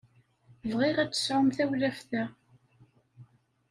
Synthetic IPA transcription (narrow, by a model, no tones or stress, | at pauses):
vʁɪʁæt͡sːə̥sʕʊmθæwlæfθæ